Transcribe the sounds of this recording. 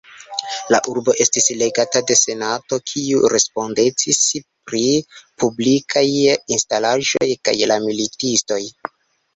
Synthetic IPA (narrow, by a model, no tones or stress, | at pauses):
laʔuɾbo̞ʔe̞stisle̞ɡatade̞se̞nato̞kʰiuɾe̞spo̞nde̞t͡sispɾipublikʰajinstalaʒo̞jka̰jlamilitisto̞j